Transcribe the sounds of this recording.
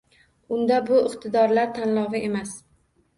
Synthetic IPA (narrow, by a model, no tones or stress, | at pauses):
ʊnd̪abʊɪqt̪ʰɪd̪ɒɾlaɾt̪ʰanlɒvɪʔe̞mas